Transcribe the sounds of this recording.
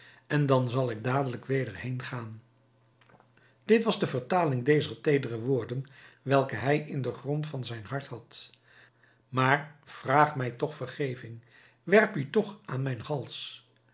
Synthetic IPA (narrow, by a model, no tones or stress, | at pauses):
ʔɛndɑnzɑlˠɪɡ̚daːdələkʋejdəɹɦejnχaːn | d̥ɪtʋɑzdəvəɹtaːlɪŋdejzəɹtejdərəʋʊːɹdənʋɛlˠkəɦɛjʔɪndəχrɔntfɑnzɛjnɦɑɹtɦɑt | maːɹv̥raːχmɛjtɔχfərχejvɪŋ | ʋɛrpytɔχʔaːnmɛjnhɑlˠs